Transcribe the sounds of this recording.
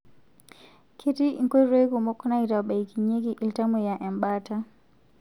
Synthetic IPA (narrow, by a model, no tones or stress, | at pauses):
kʰetiiŋkɔɾekumɔkːɔnaitaɓaikiɲeɡiʔiltamɔjaʔɛmbata